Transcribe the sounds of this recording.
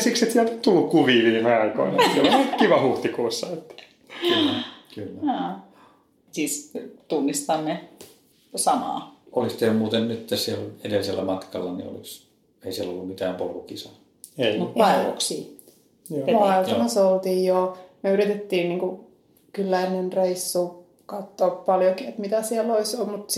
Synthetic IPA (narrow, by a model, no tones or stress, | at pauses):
sikset̪siælt̪o̥t̪t̪ulːukkuʋiːʋiːmeɑiko̰inɑsielkiʋɑhuht̪ikuːsːɑet̪ːæ̥ | kːkylːæoː | sist̪unːist̪ɑnːe | sɑmɑ̰ːolist̪eømuːt̪ennyt̪t̪ːæsiæledelːiselːæmɑt̪kɑ̰lːɑnḭo̰lis | eisielo̰lːummit̪æːmpolukisɑ | eimut̪pɑiʋo̰ksiː | jmoelt̪ɑmɑsolt̪iːjjomyøyrit̪et̪ːiːnniːŋku | kylːæinenreisːuː | kɑt̪ːoːppɑljokiet̪mit̪æsiɛlːoisomut̪